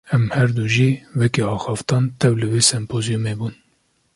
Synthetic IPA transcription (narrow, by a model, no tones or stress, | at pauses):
ɛmhɛɾd̪uʒiːwɛkiɑːxɑːft̪ɑːnt̪ʰɛwlɨveːsɛmpʰoːzijumeːbuːn